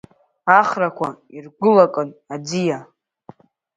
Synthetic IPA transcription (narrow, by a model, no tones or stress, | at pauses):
aχrakʷʰairɡʷʊlakʼɨnad͡zija